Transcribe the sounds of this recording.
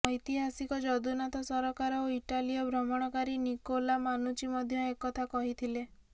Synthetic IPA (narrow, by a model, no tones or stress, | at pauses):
ɔjt̪iɦasikɔd͡ʒɔd̪unat̪ɔsɔɾɔkaɾɔoiʈaliɔbʱɾɔmɔɽ̃ɔkaɾinikolamanut͡ʃimɔd̪ʱjɔekɔt̪ʰakɔɦit̪ʰile